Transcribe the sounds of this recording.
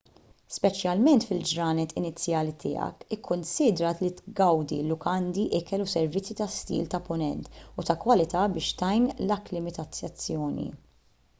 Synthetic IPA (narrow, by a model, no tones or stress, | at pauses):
spɛt͡ʃjɐlmɛnt̪fɪld͡ʒɾɐːnɛt̪ɪnɪt͡sːjɐːlit̪ʰɪ̰ːɐ̰kɪkʰːʊnsɪːd̪ɾɐt̪lit̪ɡɐwd̪ḭlʊkɐnd̪iʔɪkɛlusɛɾvɪt͡sːit̪ɐst̪ḭːlt̪ɐpʊnɛ̰nt̪ʊt̪ɐkwɐlɪt̪ɐbɪːʃt̪ɐjnlɐklɪmɪt̪ɐt͡sːɐt͡sːjɔːnḭ